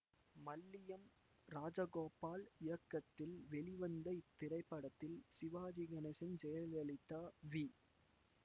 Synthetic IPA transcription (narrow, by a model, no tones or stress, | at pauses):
mɐlːɪjɐm | ɾaːd͡ʒɐɣoːpaːlɪjɐkːɐt̪ːɪlʋɛɭɪʋɐnd̪ɐɪt̪ːɪɾɐɪpːɐɽɐt̪ːɪlsɪʋaːd͡ʒɪɡɐnɐsɐnsɛjɐlɐlɪt̪ːaːʋi